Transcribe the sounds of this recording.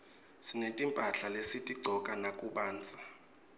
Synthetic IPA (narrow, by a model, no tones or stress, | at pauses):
sinetʼimpʼaɬalesitʼiɡ͡ǀʱɔkʼanakʼuɓaːnd͡zʱa